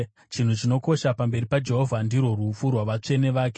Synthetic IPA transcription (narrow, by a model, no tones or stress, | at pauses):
t͡ʃin̤ut͡ʃino̞ko̞ʃapambe̞ɾipad͡ʒe̞ɦo̞vʱandirwo̞rufurwaʋat͡ʂe̞ne̞ʋaːke